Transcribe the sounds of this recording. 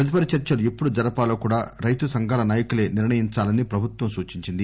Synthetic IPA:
pɾɐt̪̬ipɐɾɐt͡ʃɐɾt͡ʃɐluipːuɽud͡ʒɐɾɐpaːloːkuːɽaːɾɐjt̪usɐŋɡaːlɐnaːjɐkule̞ːniɾɳɐjiɲt͡ʃaːlɐnipɾɐbʱut̪ʋɐmsuːt͡ʃiɲt͡ʃind̪i

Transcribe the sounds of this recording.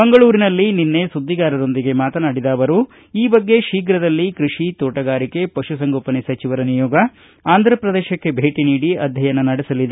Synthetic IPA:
bɐŋɡɐɭuːɾinɐlːininːe̞sud̪ːiɡaːɾɐɾo̞nd̪iɡe̞maːt̪ɐnaːɽid̪aːʋɐɾu | iːbɐɡːe̞ʃiːɡɾɐd̪ɐlːikɾiʂit̪oːʈɐɡaːɾike̞pɐʃusɐŋɡoːpɐnesɐt͡ʃiʋɐɾɐnijɔːɡɐ | aːnd̪ʱɾɐpɾɐd̪eːʃɐkːe̞bʱeːʈiniːɽiɐd̪ʱjɐjɐnːɐnɐɽɛsɐlid̪e

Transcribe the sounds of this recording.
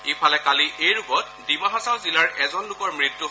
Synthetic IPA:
ipʰalɛkaliʔejɹuɡɔt̚ | dimaɦasawzilaɹʔɛzɔnlʊkɔɹmɹitːu

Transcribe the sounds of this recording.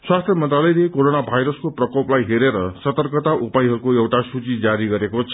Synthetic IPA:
swast̪ʰjʌmʌnt̪ralʌjlekoɾonabʱajɾʌskoprʌkoplajɦeɾeɾʌsʌt̪ʌrkʌt̪aʔupajɦʌɾukoewʈasut͡sid͡zaɾiɡʌɾekot͡sʰ

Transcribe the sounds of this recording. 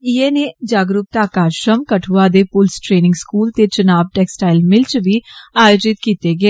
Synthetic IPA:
ieːneːd͡ʒaːɡɾʊp̚t̪aːkaːɾʃɾəmkəʈʰuːaːd̪eːpʊlsʈɾeːnɪ̃ŋɡskuːlt̪eːt͡ʃənaːbʈɛːksʈaːɪlmɪlt͡ʃʋiːaːjoːd͡ʒɪt̪kiːt̪eːɡɛeː

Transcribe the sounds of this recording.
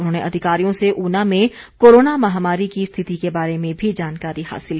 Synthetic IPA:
ʊnɦoːneʔɐd̪ʱɪkaːɾijõseʔuːnamẽkoːɾoːnamɐɦamaːɾikist̪ʰɪt̪ikebaːɾemẽbʱid͡ʒaːnkaːɾiɦa̰ːsɪlki

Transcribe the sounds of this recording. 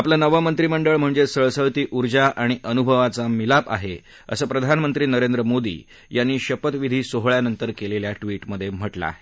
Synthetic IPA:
aplanəʋəmənt̪ɾiːməɳɖəɭm̤əɳd͡zesəɭsəɭt̪iːʔuɾd͡ʑaʔaɽ̃iʔənubʱəʋat͡samilapa̰ɦe | ə̰səːpɾəd̪ʱanmənt̪ɾiːnəɾend̪ɾəmod̪ḭː | janːiːɕəpət̪ʋid̪ʱiːsoɦɭjanənt̪əɾkeleljaʈʋiːʈməd̪ʱːjem̤əʈla̰ːɦe

